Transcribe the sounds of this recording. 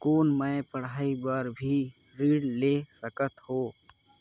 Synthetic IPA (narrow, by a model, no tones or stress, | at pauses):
koːnməpəɽ̤aːibaːɾbʱi | ɾiːɽleːsəkət̪hoː